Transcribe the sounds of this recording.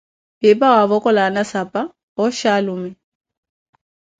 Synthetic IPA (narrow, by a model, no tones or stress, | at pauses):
bɪpʼawaβɔkʼɔlanasapʼa | ɔʃalʊmɛ